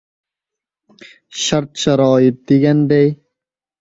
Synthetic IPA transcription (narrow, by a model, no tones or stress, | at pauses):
ɕɐɾt̪ɕɐɾɑːjit̪̚d̪iɡɐnd̪ej